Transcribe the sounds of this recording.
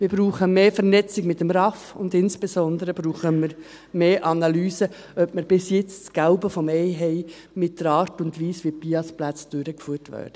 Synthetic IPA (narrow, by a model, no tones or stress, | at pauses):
mɪɾbɾuːχəmeːfəɾnɛt͡sɪɡmɪt̪ːəmɾɑfʊ̰nd̪ɪnsb̥esɔnd̪əɾəb̥ɾuːχəməɾ | meːʔɑnɑlyːsə | œbməɾb̥ɪsjɪt͡st͡sɡ̥æʊbəfɔmɛɪɦɛɪ | mɪt̚d̥əɾɑːɾtʊndʋiːsʋipiɑsplæt͡sd̥øɾəkfyːtʋæ̰ːɾd̥ə